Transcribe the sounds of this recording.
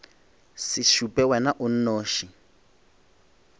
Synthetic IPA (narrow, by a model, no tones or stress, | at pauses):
sɪʃupʼɛwɛnaʔʊn̩noːʃi